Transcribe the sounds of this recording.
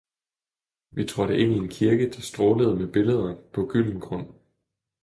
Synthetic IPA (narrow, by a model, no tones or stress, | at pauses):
ʋit͡sʰʁɒ̽ɾ̥əʔe̝n̰ie̝nkʰiɐɡ̥əd̥ɑsd̥ʁɔːləð̞̩ˠmeb̥e̝ləð̞ˠɐpʰɒ̽ɡ̥yl̰n̩ɡ̥ʁɔ̽n̰